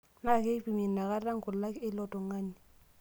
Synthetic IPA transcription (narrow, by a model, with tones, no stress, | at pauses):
na˦˨ke˦pi˨mi˨n˨na˨ka˦a˦ŋ˦kʰʊ˨lla˦kɪ˦lɔ˦tʼɔ˨ŋa˦ni˨